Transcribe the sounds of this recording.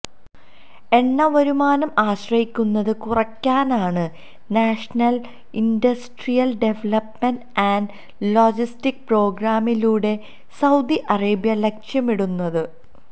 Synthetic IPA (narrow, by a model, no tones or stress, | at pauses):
e̞nːɐʋɐɾumaːnɐmaːɕrɐhikʲːunːɐðɨkurɐkʲːaːnaːɳɨ | naːʂɐnɐl | indɐsʈrijɐlɖe̞ʋɐlɐpmenɖanɖ | loːd͡ʑistik̚pro̞ːɡɾaːmiluːɽe̞ | sɐwd̪iʔɐreːbjɐlekʂjɐmiɽunːɐðɨ